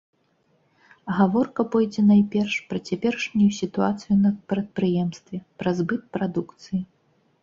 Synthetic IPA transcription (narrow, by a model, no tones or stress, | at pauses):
ɣavɔrkɐpɔjd͡zʲɛnajpʲɛrʂpɾɐt͡sʲɛpʲɛrʂnʲujusʲit̪uat̪sɨjunɐpɾɐt̪̚pɾɨjɛmst̪vʲɛpɾɐzbɨt̪̚pɾad̪ukt̪sɨji